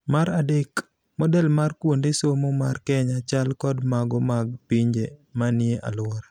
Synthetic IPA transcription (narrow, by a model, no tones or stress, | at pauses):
maɾadek | mɔdɛlmarkwondesomomarkɛɲat͡ʃalkɔdmaɡɔmaɡ̚piɲd͡ʒemanɪeʔa̰lwɔɾa